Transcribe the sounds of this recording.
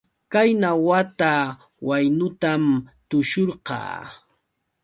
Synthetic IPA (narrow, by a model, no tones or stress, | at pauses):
kajnawat̪a | wajnʊt̪amt̪ʊʃoɾqɑ̰ː